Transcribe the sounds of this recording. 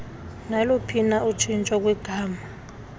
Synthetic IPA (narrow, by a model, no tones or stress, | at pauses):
nalopʰinaut͡ʃʰint͡ʃʼɔk̬ʼwiɡ̥ʱaːma